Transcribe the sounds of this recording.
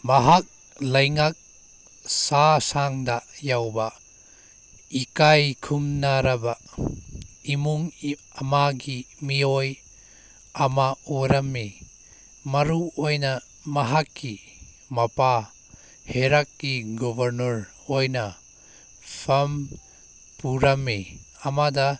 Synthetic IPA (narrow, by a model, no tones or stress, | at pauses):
mɐɦak̚ | lɐjŋak̚ | sasaŋdajawba | ikajkʰumnaɾɐba | imuŋ | ɐmaɡimioj | ɐmaoɾɐmːi | mɐɾuojnɐ | mɐɦakːi | mɐpa | heɾakːiɡɔbʱɐɾnɐɾ | ojnɐ | pʰɐm | puɾɐmːi | ɐmadɐ